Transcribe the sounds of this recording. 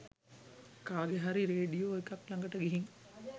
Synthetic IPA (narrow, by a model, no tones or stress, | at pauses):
kaːɡeɦaɾiɾeːɖijoːekɐklaŋɡəʈəɡiɦiŋ